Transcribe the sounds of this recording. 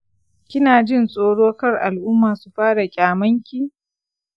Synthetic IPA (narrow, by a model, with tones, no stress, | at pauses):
kʲɪ˦naː˨d͡ʒɪ˦nsʼoː˦ɽoː˦kɐ˦rʔa˨lʔʊ˦mːaː˨su˨ɸaː˦ɽa˨kʲʼaː˨mɐ˦ŋkʲi˨